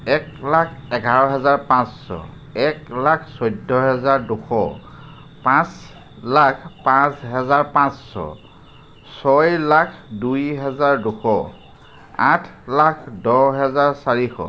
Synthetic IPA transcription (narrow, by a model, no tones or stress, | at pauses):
ɛklakʰɛɡaɹɔ̃ɦɛzaɹpãsːɔ̰ | ɛklakʰsɔjdʱɔɦɛzaɹduxɔ̰ | pãs | lakʰpãsɦɛzaɹpãsːɔ̰ | sɔjlakʰdujɦɛzaɹduxɔ | a̰tʰlakʰdɔɦɛzaɹsaɹixɔ̰